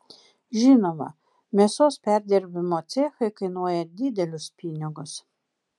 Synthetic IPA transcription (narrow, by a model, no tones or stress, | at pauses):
ʒʲɪnoːmɐ̰ | mʲiɛsoːspʲæɾʲd̪ʲɛɾʲbʲɪmoːt̪sʲeːxɐɪkɐɪnuɔjɛd̪ʲɪd̪ʲɛlʲʊspʲɪnʲɪɡʊs